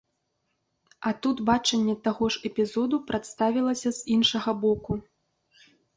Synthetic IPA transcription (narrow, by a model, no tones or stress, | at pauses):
ɐt̪ut̪bat͡ʂɐnʲːɛt̪aɣɔʐɛpʲizɔd̪upɾʔat̪st̪avʲilˠɐsʲɐz̥inʂɐɣɐbɔku